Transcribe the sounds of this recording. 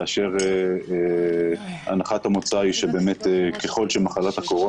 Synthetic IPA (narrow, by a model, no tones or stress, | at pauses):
aʃe̞ʁe | a̰naχat̪hamot͡saiʃebe̞ːme̞teke̞χo̞lʃemaχalat̪ako̞ʁo